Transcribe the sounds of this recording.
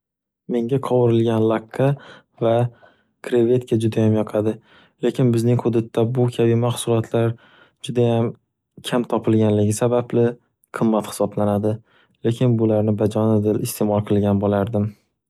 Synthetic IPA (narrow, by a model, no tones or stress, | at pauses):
me̞ŋɡʲaqʰɒwɪɾɪlɡʲanlˠakʰːa | va | kʰɾeve̞t̪kʰʲad͡ʒʊd̪ajamjɒqʰad̪ɪ | le̞kʲɪnbɪznɪŋhʊd̪at̪ʰːabʊkʲʰabɪmaχsʊlˠɒt̪ʰlaɾ | d͡ʒʊd̪ajam | kʲʰamt̪ʰɒpʰɪlɡʲanlɪɡʲɪsabablɪ | qʰɨmːat̪hɪ̥sɒblanad̪ɪ | le̞kʲʰɪnbʊlaɾnɪbad͡ʒɒnɪd̪ɪlɪst̪ʰe̞mɒlˠqʰɨlˠɡʲanbolaɾd̪ɪm